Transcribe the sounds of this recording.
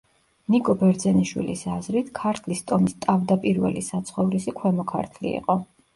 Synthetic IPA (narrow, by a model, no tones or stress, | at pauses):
nikʼɔbɛɾd̪zɛniʃwḭlḭsazɾit̪ʰkʰaɾt̪ʰlist̪ʼɔmist̪ʼavd̪apʼiɾvɛ̰lisat̪sʰχɔvɾisikʰwɛmɔkʰa̰ɾt̪ʰlḭːqʼɔ